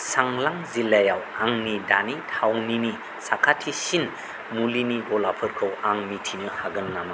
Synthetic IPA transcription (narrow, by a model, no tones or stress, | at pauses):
saŋlaŋzilːajawaŋnidanitʰawnini | sakʰatʰisin | muliniɡɔlapʰɯɾkʰɯwaŋmitʰinɯhaɡɯnːama